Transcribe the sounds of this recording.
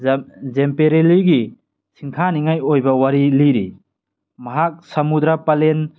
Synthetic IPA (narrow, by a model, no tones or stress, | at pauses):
zempeɾeliɡi | sʰiŋtʰaniŋajojbɐwaɾiliɾḭ | mɐɦak̚sɐmud̪ɾapalen